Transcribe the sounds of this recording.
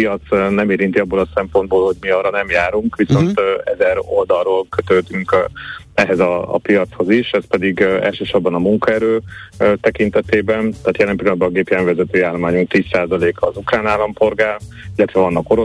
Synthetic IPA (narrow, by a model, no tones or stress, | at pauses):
ijɒt̪snɛmeːɾint̪iɒbːoːlɒsɛmpo̞nd̪̚boːlho̞ɟmiɒːrɒnɛmjaːɾuŋkʋiso̞nt̪ɛ̰zɛɾo̞ld̪ɒrroːlkø̞t̪ød̪yŋk | ɛɦɛzɒ̰ːpijɒt̪sho̞ziʃɛspɛd̪iɡɛ̰lʃøːʃo̞rbɒnɒmuŋkɒɛɾøːt̪ɛkint̪ɛt̪eːbɛnt̪aːt̪jɛlɛmpiloɒnbɒɒɡeːpiɛɱvɛzɛt̪øːjaːlmaːɲuŋk̚t̪iːsːaːzɒleːkɒːzukraːnaːlɒmpo̞rɡaːrilːɛt̪ʋɛvɒnːɒkoɾo